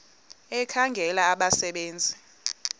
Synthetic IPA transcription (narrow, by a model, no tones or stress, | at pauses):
ɛkʰaŋɡʱɛlaːɓasɛɓeːnd͡zʱi